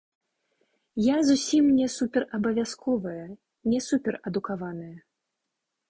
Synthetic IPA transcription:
jazusʲimnʲɛsupʲɛrʔɐbɐvʲaskʰɔvɐjɐ | nʲɛsupʲɛrɐd̪ukavanɨjɐ

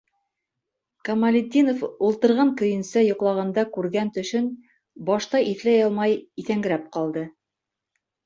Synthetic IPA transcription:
kɐmɐlʲɪd̪ʲːinofulˠt̪ɤ̆ɾʁɑŋkɵ̆jɘ̆nsæjŏqlˠɑʁɑnd̪ɑkʉɾɡænt̪ɵ̆ʃɵn | bɑʃt̪ɑʔiθlæjɑlˠmɑjiθæŋɡɘ̆ɾæp̚qɑlˠd̪ɤ

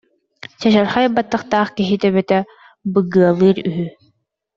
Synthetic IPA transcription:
t͡ɕaɕaɾχajabːat̪ːɯχt̪aːχkiɦit̪ɛβɛt̪ɛ | bɯɡɯɐlˠɯːɾyɦy

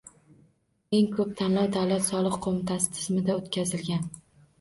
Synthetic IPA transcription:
e̞ŋkʰɵp̚t̪ʰanlawd̪awlat̪sɒlˠɨqqʰomɪt̪ʰasɪ̥t̪ʰɪ̥zmɪd̪aot̪kʲʰazɪlɡʲan

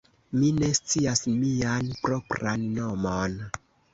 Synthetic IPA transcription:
mine̞st͡siasmianpɾopɾanːomon

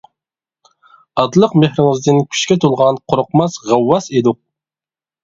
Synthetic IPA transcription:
ɑd̪lˠəqmehɾɪŋɪzd̪ɪnkʲʰy̥ʃkʲɛt̪ʰolˠʁɑnqʰʊɾʊqmɑsʁɑwːɑsed̪uq̚

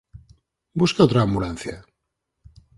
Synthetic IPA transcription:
buskaot̪ɾaːmbulanθja̰

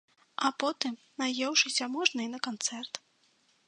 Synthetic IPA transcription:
ʔapɔt̪ɨm | najɛwʂɨsʲɐmɔʐnɨjnɐkant̪sɛrt̪

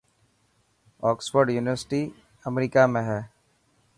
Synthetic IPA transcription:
ɔːkswəɾɖjuːnɪʋəɾsʈi | əmɾiːkamẽɦɛː

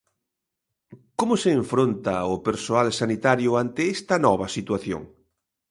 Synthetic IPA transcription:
komʊseːɱfɾont̪ɐʊpeɾsoalsanit̪aɾjʊant̪eɛst̪ɐnɔβɐsit̪waθjo̰ŋ

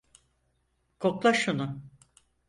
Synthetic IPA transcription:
kʰoklˠaʃunʊ

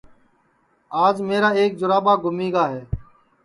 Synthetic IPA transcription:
aːd͡ʒmeːɾaːeːk̚d͡ʒʊɾaːɓaːɡʱʊmiːɡaːɦeː

